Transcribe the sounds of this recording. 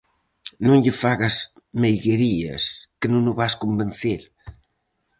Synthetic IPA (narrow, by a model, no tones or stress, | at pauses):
nõŋʎəfaɣɐzmejɣeɾiɐ̰skənõnʊβaskombenθeɾ